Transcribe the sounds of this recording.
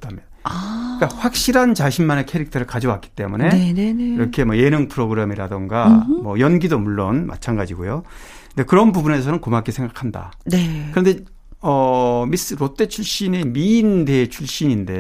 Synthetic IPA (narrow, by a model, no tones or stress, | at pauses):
damjʌnk͈aɸwak̚ɕ͈iɾɦant͡ɕaɕʰimmanekʰeɾik̚tʰʌɾɯɭkad͡ʑʌwak͈i̥t͈e̞mune̞neiɾʌkʰe̞mʌje̞nɯŋpʰɯɾoɡɯɾemiɾa̰dɯŋɡamʌjʌnɡidomuɭːonma̰t͡ɕʰaŋɡad͡ʑiɡojo | ɯnde̞kɯɾʌnbubune̞sʰʌnɯnkomak͈isʰe̞ŋɡakʰanda̰nekɯɾʌnde̞ | ʌmis͈ɯɾot͈e̞t͡ɕʰuɭɕ͈ine̞miːnde̞t͡ɕʰuɭɕ͈iɲinde̞